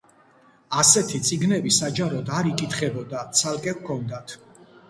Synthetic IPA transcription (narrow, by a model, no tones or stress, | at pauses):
asɛt̪ʰit̪sʼiɡnɛbisad͡ʒaɾɔd̪aɾikʼit̪ʰχɛbɔd̪at̪sʰalˠkʼɛvkʰɔnd̪at̪ʰ